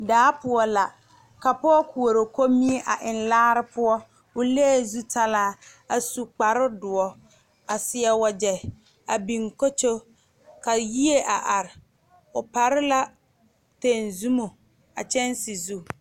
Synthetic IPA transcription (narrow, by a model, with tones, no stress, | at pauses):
daː˦pʊ˨ɔ˦la˨ | ka˨pɔ˦ku˨o˨ɾo˨ko˦mi˦e˦ʔa˨ʔɪ˨nlaː˦ɾɪ˦pʊ˦ɔ˦ | ʊ˨le˦˨zu˦tʰa˦laː˦ | a˨su˨k͡pa˨ɾɪ˦dʊ˨ɔ˦ | a˨sɪ˨ɛ˨wa˨d͡ʒɛ˨ | a˨bi˨ŋko˦t͡ʃo˦ | ka˨ji˦e˦ʔa˨ʔa˨ɾɪ˨ | ʊ˨pa˨ɾɪ˦la˦ | te˨nzu˦mo˨ | a̰˨t͡ʃɛ˦nsi˨zu˦